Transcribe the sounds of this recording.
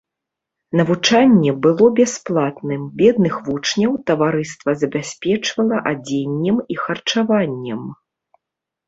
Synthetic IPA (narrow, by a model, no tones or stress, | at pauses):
nɐvut͡ʂanʲːɛbɨlˠɔbʲasplˠat̪nɨmbʲɛd̪nɨxvut͡ʂnʲɐwt̪ɐvaɾɨst̪vɐzɐbʲasʲpʲɛt͡ʂvɐlˠɐʔad͡zʲenʲːɛmixɐrt͡ʂavanʲːɛm